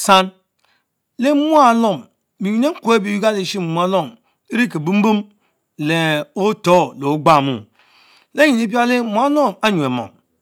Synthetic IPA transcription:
sa˦n | le˦mu˦a˦˨lo˦˨m | bi˨ji˨ne˦ŋ̩˦ku˦e˦bi˨ju˦ɡa˦le˨ʃi˦m˨mu˨˦a˦lo˦˨m | e˦ɾi˦ke˨bu˦m̩˦bu˦m | le˨o˦to˦lo˨˦ɡ͡ba˦˨mṵ˦˨ | le˦i˨ni˦p̬i˦a˦le˦mu˨˦a˦lo˦ma˦ɲu˨e˨mo̰˨

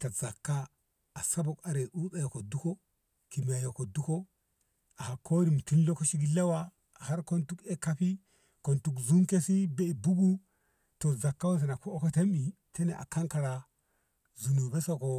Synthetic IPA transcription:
ta˨z̥a˨kːa˦ | a˨sa˦bo˨ka˨ɾe˨ʔu˦ɓe˦jo˨ko˨du˦ko˦ | ki˨mi˨ja˨jo˨ko˨du˦ko˦ | a˨ha˨kʰo˦ɾi˨mu˨ti˦nlo˦ko˦ʃi˦ɡi˦la˦wa˦˨ | ha˦ɾko˦ntu˦ke˦ka˦pi˦ | ko˨ntu˨kzu˦ŋke˦si˦be˦i˨bu˦ɡu˦ | to˨za˨kːa˦wo˦ns̬e˨na˨ko˦o˦ko˦te˦mi˨ | te˦ne˨ʔa̰˨ka˦ŋka˨ɾa˨ | zu˨nu˨be˦so˦ko˨

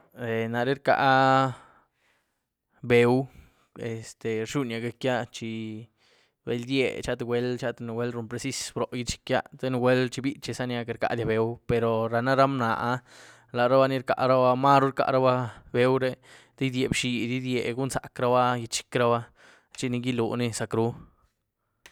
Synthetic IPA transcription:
e˨na˨ɾe˦ɾka̰˧ʔ | be˨˧w | e˨st̪e˨ɾʃu˦nja˧ɡa˧kja˦t͡ʃi˧ | bḛ˧˦ld̪jḛ˧t͡ʃa˦t̪e˧wʷe˧lt͡ʃa˦t̪e˧n˨we˦lɾu˧˨npɾe˧si˦sbɾo˨ji˧t͡ʃi̥˧kja˦t̪e˦n˧wʷe˦lt͡ʃi˧bi˦t͡ʃi˧sa˦nja˧ke˧ɾka̰˧ʔd̪ja˧be˨wpe˧ɾo˨ɾa˨na˦ɾa˦mna˨ʔa˧ | la˨ɾa˦ba˦ni˧ɾka̰˨ʔɾa˦ba˧ma˦ɾu˦ɾka̰˧˨ɾa˦ba˦be˧˦wɾe˦ | d̪i˦d̪je˨bʃi˨d̪i˦d̪jḛ˨ɡu˦nsa̰˨kɾa˧ba˦ji˧t͡ʃi̥˧kɾa˦ba˦ | t͡ʃi˧ni˧ɡi˦lṵ˨ni˦sa˧kɾu˦

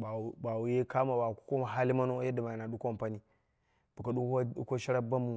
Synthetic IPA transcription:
a˨u˨ba˨wu˨je˦ka˦ma˨ba˨ku̥˦ko˦ma˨ɦa˦li˦ma˦no˦ja˦da˨ma˨ja˨na˨ɗu˦ko˦˨mpa˦ni˦ | b̥u˨ka˨ɗu˦a˦ṵ˦ko˦ʃi˦ɾa˦ba˦mu˨

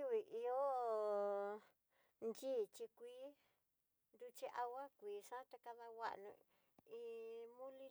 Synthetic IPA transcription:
u˦i˨ʔi˧o˦ | nd͡ʒiː˦˨t͡ʃi˧kʷiː˦ | nd̪u˧t͡ʃi˧ʔa˧wa˦kʷiː˨˦ʂã˦t̪a˧ka˧ða˧wa̰˦ʔnṵ̃˧ | i˧mũ˦li˧

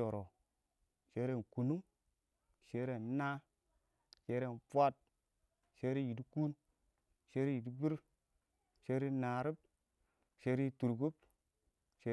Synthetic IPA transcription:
o˨ɾo˨ | ʃe˦ɾe˦˨nku˨nu˦ŋ | ʃe˦ɾe˦˨n˦na˦ | ʃe˦ɾe˦˨npʷa˦t̚ | ʃe˦ɾi˦ji˨di˦ku˦n | ʃe˦ɾi˦ji˨di˦bi˦ɾ | ʃe˦ɾi˦na˨ɾi˦p̚ | ʃe˦ɾi˦tu˨ɾku˦p̚ | ʃe˦

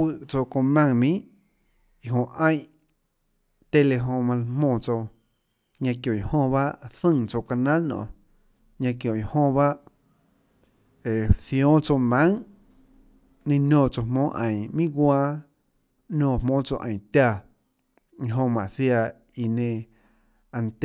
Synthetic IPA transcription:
wɨ˧ʔt͡so˧kõ˧mã˧ŋmĩ˦ | i˧ɦõ˧˨ʔə̃˦j̃ | t̪e˧le˧ɦõ˧mã˧lmmõː˧˨t͡so˧ | ɲã˧kjõ˨i˨hõ˧ba˦ʔθɨ̃˧ŋt͡so˧ka˧nã˦lnõ̰˨ | ɲã˧k̬jõ˨ji˨hõ˧βa˦ʔ | e˨θjõ˦t͡so˧wnã˦ŋ | nẽ˧nõː˧˨t͡so˧hmõː˦ʔə̃˨mĩ˦ɡwaː˧˦ | nõː˧˨mõː˦t͡so˧ʔə̃˨t̪a˧˨ | i˧ɦõ˧mã˨ʔθja˧ | i˧nẽ˧ | a˧nt̪

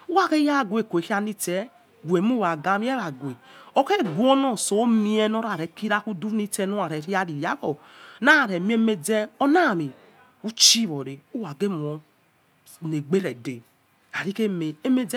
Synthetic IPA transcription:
u˦wa˦ke˦ja˦˨ɡʷe˨kʷe˨hi˦a˦ni˦te˦ | ɡʷe˨m˦u˦wa˨ɡa˦mi˦e˦ɾa˨ɡʷe˨o˦ke˦˨ɡu˦o˦no˦˨so˨˦mi˦e˦no˦ɾa˨ɾe˨ki˦ɾa˦ku˦du˦ni˦te˦no˦a˨ɾe˨ɾi˦a˦ɾi˨ja˦ko˨ | na˦˨ɾe˨mi˦e˦me˦d͡ze˦o˦na˦˨mi˨ | u˦t͡ʃi˦βo˨ɾe˨u˦wa˨ɡe˦m˨o˨ | ne˨ɡ͡be˦ɾe˨de˨ | a˨ɾi˦ke˦me˨e˦me˦d͡ze˦

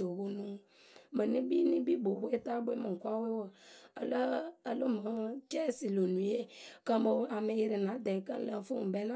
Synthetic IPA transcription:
o˨wo˦nũ˦ | mə˨nĩ˦bi˦nĩ˦bi˦bo˨bo˦e˦t̪a˦bo˦e˦mə˨ŋ̩˨kʷa˦we˦wə˨ə˨lə˦ə˨lo˦mə˨˦t͡ʃɛ˦si˨lo˨nũ˨˦je˦kə˦mə˨˦a˨me˨ji˨ɾi˨nã˨˦d̪ɛ˨kə̰˦lə˨fu˦m˨bɛ˦nã

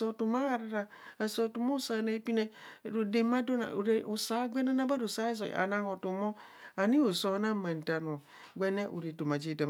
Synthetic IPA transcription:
so˨tu˨ma˦ɣa˨ɾa˦ɾa˨ | a˨so˨tu˨mo˦sa˨ne˨˦pi˦ne˦˨ɾo˨de˨ma˦do˦na̰˨ɾe˦o˨sa˨˦ɡʷe˦ne˦na˦ba˦ɾo˨sa˦i˦zo̰˨ʔa̰˨na˦ŋo˨tu˨mo˦ | a˨ni˦o˨so˨˦na˦ma˨n˨ta˨n˨o˨ | ɡʷe˦ne˦ʔṵ˨ɾe˨tu˨ma˨d͡ʒi˦da˨

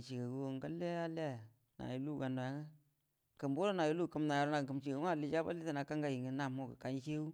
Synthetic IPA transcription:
t͡ʃi˨ka˨ɡu˦˨ŋ˨ɡa˦le˦a˦la˦˨ | na̰˨ju˨˦lu˦˨ka˨ndo˨ja˦ŋa˦ | kə˨mbo˦ɾo˦na˨ji˦lu˦˨kə˦mna˨ja˨ɾo˦na˨kə˨mt͡ʃi˨ku˦a˦˨li˨˦t͡ʃa˦ba̰˦li˦ta˦na˨ka˦ŋɡa˦ji˨ŋə˦na˨mo˦˨kə̰˨ka˨ɲ˦t͡ʃe˦u˦

